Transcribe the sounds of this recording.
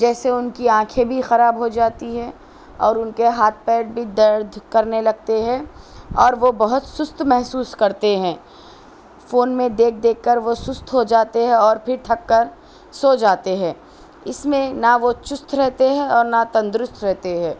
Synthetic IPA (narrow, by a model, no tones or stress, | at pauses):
d͡ʒɛːseʊnkiãːkʰẽbʱixɐɾaːbɦod͡ʒaːt̪iɦɛ̃ː | ɔːɾʊnkeɦaːt̪̚ʰpɛːʈ̚bʱid̪ɐɾd̪ʱkɐɾnelɐɡ̚t̪eɦɛ̃ɔːɾʋobɐɦʊt̪sʊst̪ʰmɛɦsuːskɐɾt̪eɦɛ̃ː | foːnmẽd̪eːk̚ʰd̪eːkːəɾʋosʊst̪ʰɦod͡ʒaːt̪eɦɛ̃ɔːɾpʰɪɾt̪ʰɐkːəɾ | soːd͡ʒaːt̪eɦɛ̃ː | ɪsmẽnaʋot͡ʃʊst̪ʰɾɛɦt̪eɦɛ̃ɔːɾnat̪ɐ̃nd̪ɾʊst̪ʰɾɛɦt̪eɦɛ̃ː